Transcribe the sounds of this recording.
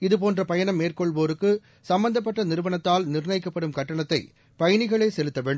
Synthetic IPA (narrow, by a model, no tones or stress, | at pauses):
ɪðɯp̬oːndrɐpɐjɐɳɐmːeːrkɔɭʋoːɾɯkːɯ | sɐmbɐnd̪ɐp̬ːɐʈːɐnɪɾɯʋɐɳɐt̪ːaːlnɪrnɐɪkːɐpːɐɽɯmkɐʈːɐɳɐt̪ːɐɪ | pɐjɐɳɪɣɐɭeːsɛlɯt̪ːɐʋeːɳɖɯm